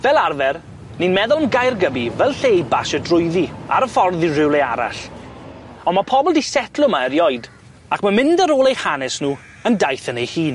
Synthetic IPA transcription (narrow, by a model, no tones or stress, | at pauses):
vɛlˠarvɛr | ninmɛðʊlˠəmɡajrɡəbivɛlˠɬejbaʃədrʊjðia̰ɾəfɔrðirɪwlˠea̰ɾa̰ɬ | ɔnmapʰɔbɔlˠdisɛtʰlˠʊmaəɾjɔɨjd | akʰmamɪndəɾoːlˠejhanɛsnuː | əndajθənejhiːn